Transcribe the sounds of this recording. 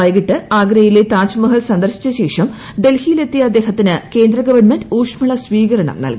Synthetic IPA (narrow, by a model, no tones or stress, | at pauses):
ɐjɡiʈːɨaːɡɾɐjilet̪aːt͡ɕumɐɦɐlsɐnd̪ɐrɕi̥t͡ɕːɐɕe̞ːʂɐm | ɖe̞lhijile̞t̪ːijɐɐd̪ːe̞ːɦɐt̪ːinɨke̞ːnd̪rɐɡɐʋɐrɳmɐnduːʂmɐɭɐsʋiːɣɐɾɐɳɐ̰mnɐ̰lki